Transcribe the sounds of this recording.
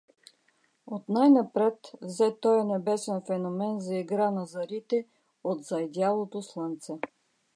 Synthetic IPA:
ot̪najnɐpɾɛt̪vzɛt̪ɔjɐnɛbɛsɛnfɛnomɛnzɐiɡɾanɐzɐɾit̪ɛ | ot̪zɐjd̪jalˠot̪oslˠənt̪sɛ

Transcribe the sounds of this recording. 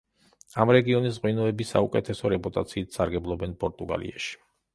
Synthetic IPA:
amɾɛɡiɔnisʁwinɔɛbisa̰ukʼɛt̪ʰɛsɔɾɛpʼut̪ʼa̰t̪sʰiːt̪ʰsaɾɡɛblˠɔbɛnpʼɔɾt̪ʼuɡa̰lḭaʃi̥

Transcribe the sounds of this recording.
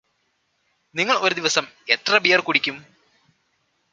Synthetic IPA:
niŋːɐɭo̞ɾud̪iʋɐsɐme̞t̪rɐbijɐrkuɽikʲːum

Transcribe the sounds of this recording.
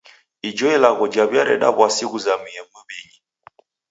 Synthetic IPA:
id͡ʒɔɛlaɣɔd͡ʒaβjaɾɛ̰ɗa̰βwasiɣuzamiɛməβɛɲi

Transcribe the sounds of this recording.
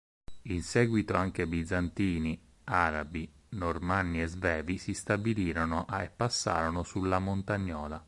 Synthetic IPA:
insɛːɡwit̪oaŋk̟ebid̪zant̪iːni | aːɾabi | normanːiezvɛːvisist̪abiliːɾonoʔepːasːa̰ːɾonosulːamont̪aɲːɔːla

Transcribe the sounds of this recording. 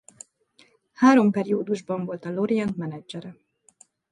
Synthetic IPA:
haːɾo̞mpɛɾioːd̪uʒbɒɱvo̞lt̪ɒlo̞ɾiɛnt̪mɛnɛd͡ʒɛɾɛ

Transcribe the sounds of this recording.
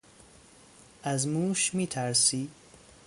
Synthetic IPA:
ʔæzmuːʃmiːt̪ʰæɾsiː

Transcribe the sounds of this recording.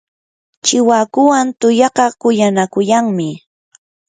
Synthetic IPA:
t͡ʃɪwakʊwant̪ʊjɑqɑkʊjanakʊjaŋmɪ

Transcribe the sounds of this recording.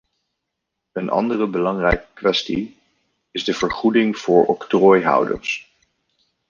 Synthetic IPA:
ənɑ̰ndərəbəlɑŋrɛjkə̥kʋɛsti | ɪzdəvəɹχudɪŋv̥ʊːɹɔktrɔːjɦʌ̰wdə̰ɹs

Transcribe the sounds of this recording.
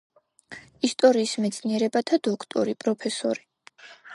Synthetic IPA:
ist̪ʼɔɾiːsmɛt̪sʰniɛɾɛbat̪ʰad̪ɔkʰt̪ʼɔɾipʼɾɔpʰɛsɔ̰ɾi

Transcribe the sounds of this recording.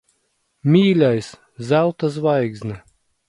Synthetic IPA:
mʲiːlʲajs | zælˠt̪as̬vajɡznʲɛ

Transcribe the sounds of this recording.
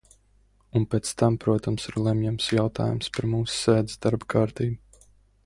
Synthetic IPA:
unpʲɛt̪st̪ampɾuɔt̪amsiɾlˠɛmjamsjawt̪a̰ːjṵmspaɾmuːsːɛːd̪zi̥sd̪aɾbkʰaːɾt̪iːbu

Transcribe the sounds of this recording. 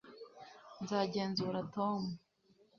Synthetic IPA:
nzaːɟe̞ːnzuːɾatomu

